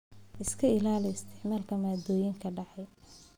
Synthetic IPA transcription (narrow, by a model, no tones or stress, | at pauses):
ʔɪskʰɐɪlaːlɪɪst̪ʰɪʕmaːlkʰɐmaːd̪ɔːjɪŋkʰɐɖɑʕɑj